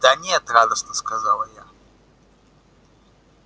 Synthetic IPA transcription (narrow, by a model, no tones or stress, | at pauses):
d̪anʲɛɐt̪ɾad̪əsnɐskazalˠɐja